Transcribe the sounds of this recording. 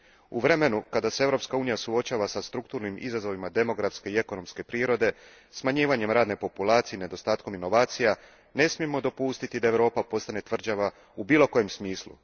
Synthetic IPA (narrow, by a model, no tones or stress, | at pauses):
uʋɾe̞me̞nukad̪aseevɾo̞pskauːnijasuo̞t͡ɕaːʋasast̪ɾukt̪uːɾnimḭzazo̞ʋimad̪e̞mo̞ɡɾafske̞ie̞ko̞no̞mske̞pɾiːɾo̞d̪e̞ | smaɲiːʋaɲe̞mɾaːd̪ne̞po̞pulˠaːt̪sijene̞d̪o̞st̪aːt̪ko̞mino̞ʋaːt̪sija | ne̞smije̞mo̞d̪o̞pust̪it̪id̪ae̞ʋɾo̞ːpapo̞st̪ane̞t̪ʋr̩d͡ʑaʋa | ubiːlˠo̞ko̞je̞msmiːslˠṵ